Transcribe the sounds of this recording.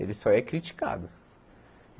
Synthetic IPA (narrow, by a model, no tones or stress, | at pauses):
ḛlɪsɔɛkɾit͡ʃi̥ka̰d̪ʊ